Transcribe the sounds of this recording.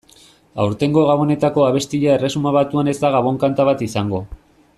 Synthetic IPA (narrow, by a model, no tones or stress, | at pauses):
a̰wɾt̪e̞ŋɡo̞ɣaβo̞ne̞t̪ako̞aβe̞st̪iʎaere̞sumaβat̪uane̞zd̪aɣaβ̞o̞ŋkant̪aβat̪isaŋɡo̞